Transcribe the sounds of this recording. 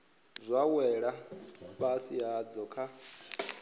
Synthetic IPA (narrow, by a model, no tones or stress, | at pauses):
zʷawɛɺaβasiad͡zɔkʰa